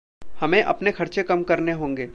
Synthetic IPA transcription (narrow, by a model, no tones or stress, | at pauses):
hɐmẽʔɐ̰pnexʰɐɾt͡ʃekɐmkɐɾneɦõːŋɡeː